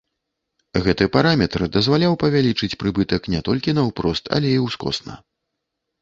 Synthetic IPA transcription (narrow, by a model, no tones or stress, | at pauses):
ɣɛt̪ɨpaɾamʲɛt̪rd̪ɐzvalʲawpɐvʲalʲit͡ʂɨt͡sʲpɾɨbɨt̪ɐknʲɛt̪ɔlʲkʲinɐwpɾɔst̪ɐ̰lʲɛiwskɔ̰snɐ̰